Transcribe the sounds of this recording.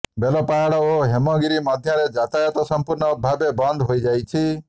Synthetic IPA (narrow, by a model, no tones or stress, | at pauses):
belɔpaɽɔoɦemɔɡiɾimɔd̪ʱjaɾed͡ʒat̪ajɔt̪ɔsɔmpuɾɳɔbʱabebɔnd̪ʱɦojd͡ʒajt͡ʃʰi